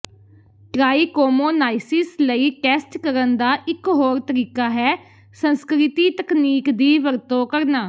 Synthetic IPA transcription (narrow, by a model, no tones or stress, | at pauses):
ʈɾaːiːkoːmoːnaːɪsɪsləiːkɛːsʈkəɾənd̪aːʔɪkɦoːɾt̪əɾiːkaːɦɛː | sənskɾɪt̪iːt̪əkniːkd̪iːʋəɾt̪õːkəɾnaː